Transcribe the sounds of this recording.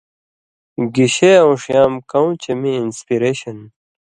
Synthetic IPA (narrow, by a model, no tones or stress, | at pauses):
ɡiɕeõwʂjaːmkɐw̃t͡ɕʰemiːnspiɾeːɕɐn